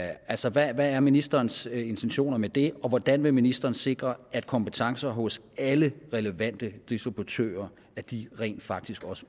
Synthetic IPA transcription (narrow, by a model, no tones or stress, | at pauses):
ælsɒʋæʋææɐminisd̥ɐːnse̝nt͡sʰenɕo̝̰ːnɐmed̥e̝ɒ̽ʋɒd̥ænʋe̝minisd̥ɐːnse̝ɡ̥ʁɐæd̥̚kʰɒ̽mpət͡sʰɑ̈ŋsɐɦɔ̽s | æləʁɛləʋæn̰d̥əd̥isd̥ʁib̥ut͡sʰø̰ːɐ | æɐd̥iʁɛ̰ːnd̥fɑ̈ɡ̥̚d̥isɡ̥ɒ̽sə̥